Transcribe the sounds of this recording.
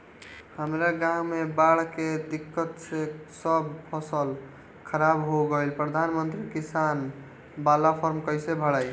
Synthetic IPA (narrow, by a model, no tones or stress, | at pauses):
həmɾaɡãɦmebaɽ̤ked̪ikːət̪sesəbpʰəsəl | kʰəɾabɦoɡəjlpɾəd̪ʱanmənt̪ɾikisan | balapʰəɾmkəjsebʱəɽaj